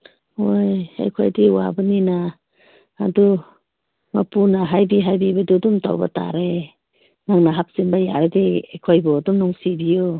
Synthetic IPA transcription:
oja̰jkʰojdiwa̰banina̰ː | du | mapunaɦajbiɦajbibadudumtʰa̰wba̰ta̰ɾe | naŋnaɦap̚sinbajaɾediejkʰojbɔdumnuŋsibijo

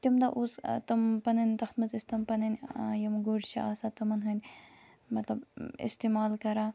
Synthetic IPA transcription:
t̪imd̪aʔust̪ɐmpɐnɐnʲt̪ɐxt̪mɐzist̪ɐmpɐnɐnʲjɐmɡoɖʃʰḭaːsat̪ɐmɐnɦɐnʲ | mɐt̪lɐbḭst̪eːmaːlkɐɾaː

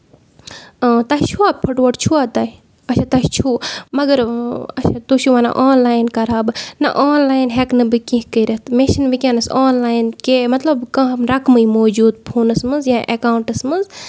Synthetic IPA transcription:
t̪ɐɦt͡ʃʰuaːpʰɐʈʋɐʈt͡ʃʰuaːt̪ɐi | ɐt͡ʃʰat̪ɐst͡ʃʰuːmɐɡɐɾɐ̰t͡ʃʰat̪uʃʰuʋanɐ̰ʔaːnlaːjnkɐɾaːbnɐ̰ʔoːnlaːjnɦeknɨbɨkĩɦkɐɾɐt̪meʃɐnʋikʲaːnɐsaːnlaːjnkemɐt̪lɐbkãɦmɾɐkmɨimoːd͡ʒuːd̪̚pʰuːnɐsmɨnzjãːʔekaːwɳʈɐsmɐnz

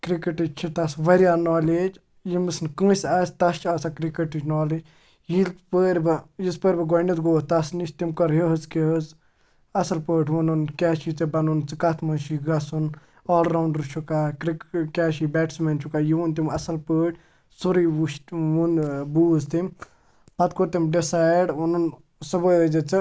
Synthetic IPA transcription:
kɾikeʈid͡ʒt͡ʃʰit̪ɐsʋɐɾjaːnɔːled͡ʒ | jimɨsnkə̃ːsʲɐst̪ɐst͡ʃasakɾikəʈit͡ʃnɔːled͡ʒ | jilpəːɾʲbjispəɾʲbɐɡɔnit̪ɡoːt̪ɐsniʃt̪imkɐɾɦiɦɨzkeɦɨz | ɐsɐlpəːʈʰʋununkʲɛːʃit͡sɨbɐnunt͡sɨkɐt̪ʰmɐnʃiɡɐsun | ɔːlɾawɳɖɾt͡ʃʰukaːkɾkɛːʃibɛːʈsment͡ʃʰukajiunt̪imɐsɐlpəːʈʰʲ | suɾiwuʃwunbuːzt̪im | pɐt̪̚koɾt̪imɖisaːjɖunun | sɐbəjdɐd͡ʒɐt͡sɨ

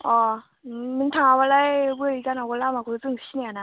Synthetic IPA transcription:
ɔ | mɯntʰaŋabalajbɯikanakolamakʰɯt͡sɯŋɕiniana

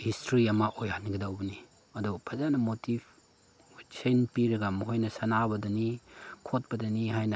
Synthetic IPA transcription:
histʰɾiɐmɐʔojhaniɡidawbɐni | ɐdupʰɐzanɐmotib | senpiɾɐɡɐmɐɦojnɐsɐnabɐdɐnikʰot̚pɐdɐniɦajnɐ

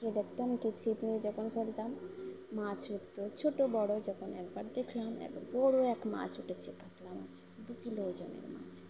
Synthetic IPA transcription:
ked̪ek̚ʰt̪omkit͡ɕʰipnied͡ʒɔkʰonfelt̪amː | ãt͡ɕut̪ot͡ɕʰoʈobɔɽod͡ʒɔkʰonɛkbaɾd̪ekʰlamɛ̰kbɔɽoɛkmã̰t͡ɕuʈʰet͡ɕʰekaklama̰t͡ʃʰ | d̪ukilood͡ʑa̰mḛɾmã̰t͡ʃʰ

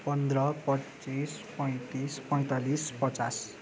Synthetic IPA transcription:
pʌnd̪rʌpʌt͡sispʌj̃t̪ispʌj̃t̪alispʌt͡sas

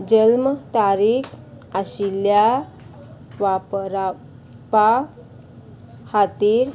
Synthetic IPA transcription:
d͡ʑəlmt̪aɾik | aɕilja | ʋapɾa | pa | hat̪iːɾ

